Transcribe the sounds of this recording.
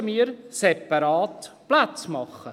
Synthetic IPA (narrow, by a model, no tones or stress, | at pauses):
əmiːɾsɛpɑɾɑːtplat͡smɑχːə